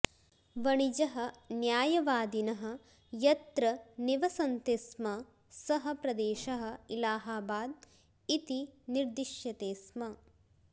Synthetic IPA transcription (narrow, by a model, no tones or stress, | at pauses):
ʋɐɳid͡ʒɐɦɐ̆njaːjɐʋaːd̪inɐɦɐ̆ | jɐt̪ɾɐniʋɐsɐnt̪esmɐ | sɐɦɐ̆pɾɐd̪eːʃɐɦɐ̆ilaːɦaːbaːd̪̚ | it̪iniɾd̪iʃjɐt̪eːsmɐ